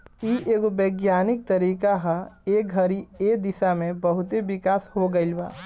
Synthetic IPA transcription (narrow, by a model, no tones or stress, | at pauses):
iʔeːɡobeːɡjaːnɪk̚t̪əɾiːkaɦəeːɡʱəɾied̪ɪsamẽbəɦʊt̪eʋɪkaːshoɡəɪlba̰ː